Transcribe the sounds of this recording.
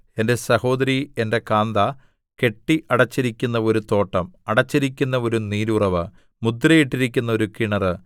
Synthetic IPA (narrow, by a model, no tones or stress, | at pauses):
e̞nde̞sɐho̞ːd̪ɐɾie̞nde̞kaːnd̪ɐ | ke̞ʈːiʔɐɽɐt͡ɕːiɾikʲːunːɐo̞ɾut̪o̞ːʈːɐmɐɽɐt͡ɕːiɾikʲːunːɐo̞ɾuniːɾurɐʋɨ | mud̪rɐjiʈːiɾikʲːun̪ːɐo̞ɾukiɳɐrɨ